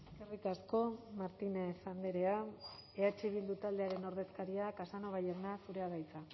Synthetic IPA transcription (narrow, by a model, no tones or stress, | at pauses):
eskerikasko̞maɾt̪inesand̪eɾe̞ae̞at͡ʃiβild̪ut̪ald̪e̞aɾe̞no̞ɾð̞e̞skaɾiakasano̞β̞ajeɾnasuɾe̞aɣajt͡sa